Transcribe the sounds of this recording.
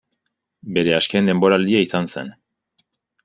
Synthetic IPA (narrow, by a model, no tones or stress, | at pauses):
be̞ɾe̞askend̪e̞mbo̞ɾald̪iaisanse̞̰n